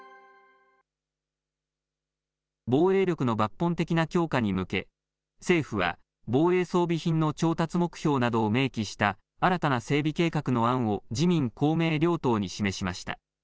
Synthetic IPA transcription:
bo̞ːe̞ːɾʲo̞kɯ̟no̞bapːõ̞nt̪e̞kʲinakʲo̞ːkaɲ̟imɯ̟ke̞ | se̞ːɸɯ̟βa̰ | bo̞ːe̞ːso̞ːbʲiçĩnːo̞t͡ɕo̞ːt̪at͡sɨmo̞kɯ̟̥çʲo̞ːnad̪o̞ːme̞ːkʲiɕi̥t̪a | aɾat̪anase̞ːbʲike̞ːkakɯ̟no̞ãɰ̃o̞d͡ʑimʲĩŋkʰo̞ːme̞ːɾʲo̞ːt̪o̞ːɲ̟iɕime̞ɕimaɕi̥t̪a̰

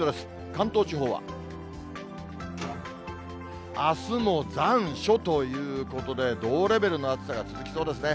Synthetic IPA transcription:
od̪esɨ̥ | kãnt̪oːt͡ɕiɦo̞ːβa̰ | asɨno̞d͡zãɰ̃ɕo̞t̪o̞jɯ̟ːko̞t̪o̞d̪e̞d̪o̞ːɾe̞be̞ɾɯ̟no̞at͡sɨ̥saɡat͡sɨzɨkʲi̥so̞ːd̪e̞s̬ɨne̞

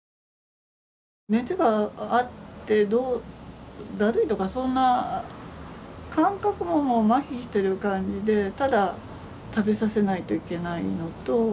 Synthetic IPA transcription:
ne̞t͡sɨɡaːt̪ːe̞d̪oː | d̪aɾɯ̟it̪o̞kasõ̞nːa | kãŋkakɯ̟momomaçʲiɕi̥t̪e̞ɾɯ̟kãɲ̟d͡ʑid̪e̞t̪ad̪a | t̪abe̞sase̞nait̪o̞ike̞naḭno̞t̪o̞

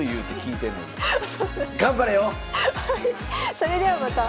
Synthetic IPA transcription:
ojuːt̪ːekʲiːt̪ẽnːḛsoɡãmbaɾejo | hai | soɾed̪eʋamat̪a

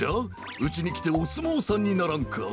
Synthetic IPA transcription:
a | ɯ̟t͡ɕiɲikʲi̥t̪e̞osɨmoːsaɲʲːinaɾaŋkʰa̰

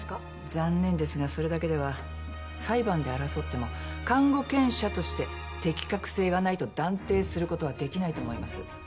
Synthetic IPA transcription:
k | zãnːẽ̞nd̪e̞sɨɡaso̞ɾe̞d̪ake̞d̪e̞β̞a | saibãnd̪e̞aɾaso̞t̪ːe̞mo̞kãŋɡo̞kẽ̞ɰ̃ɕat̪o̞ɕi̥t̪e̞ | t̪e̞kʲi̥kakɯ̟̥se̞ːɡanait̪o̞d̪ãnt̪e̞ːsɨɾɯ̟ko̞t̪o̞β̞ad̪e̞kʲinait̪o̞ːmo̞imasɨ

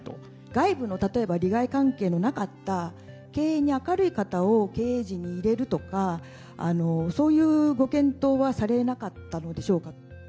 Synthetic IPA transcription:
t̪o | ɡ̥aibɯ̟no̞t̪at̪o̞e̞baɾʲiɡaikãŋke̞ːno̞nakat̪ːa | ke̞ːeɲ̟iakaɾɯ̟ikat̪ao̞ke̞ːʑiɲ̟iːɾe̞ɾɯ̟t̪o̞ka̰ː | no̞so̞ːjɯ̟ːɡo̞kẽ̞nt̪o̞ːβasaɾe̞nakat̪ːano̞d̪e̞ɕo̞ːka

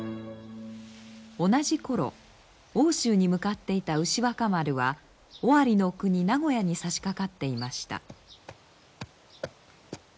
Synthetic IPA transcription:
o̞naʑiko̞ɾo̞̰ | o̞ːɕɨːɲ̟imɯ̟kat̪ːe̞it̪aɯ̟ɕiβakamaɾɯ̟βa | oaɾʲino̞kɯ̟ɲ̟inaɡo̞jaɲ̟isaɕi̥kakat̪ːe̞imaɕi̥t̪a̰

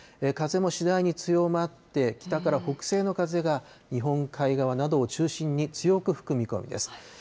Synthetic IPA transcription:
ekaze̞mo̞ɕid̪aiɲ̟it͡sɨjo̞mat̪ːe̞kʲi̥t̪akaɾaho̞kɯ̟̥se̞ːno̞kaze̞ɡa | ɲ̟iɦõ̞ŋkʰaiɡaβ̞anad̪o̞ːt͡ɕɨːɕĩɲ̟ːit͡sɨjo̞kɯ̟ɸɯ̥kɯ̟mʲiko̞̰mʲḭd̪e̞̰sɨ̥

